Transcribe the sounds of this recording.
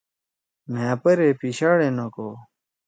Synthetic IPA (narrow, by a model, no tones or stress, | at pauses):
mẽɐpɐɾeːpiɕaːɽenokoː